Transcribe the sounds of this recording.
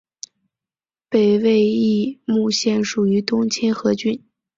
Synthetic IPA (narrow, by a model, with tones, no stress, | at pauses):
pe˨˩ɪwe˥˧ɪi˥˧mu˥˧ɕjɛ˥˩nʂu˨˩y˧˥t̪ʊ˥ŋt͡ɕʰi˥nxɤ˧˥t͡ɕy˥n